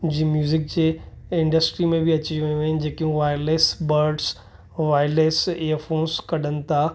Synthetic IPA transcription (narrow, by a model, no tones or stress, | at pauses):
d͡ʑiːmjuːzɪk̚d͡ʑeːɪ̃ɳɖəsʈɾimẽbʱɪɐt͡ɕiiɐjũɐɦɪnɪ̆d͡ʑeːkijũʋaːɪleːsbɐɾɖs | ʋaːɪleːseəɾfoːnskɐɗənɪ̆t̪ʰa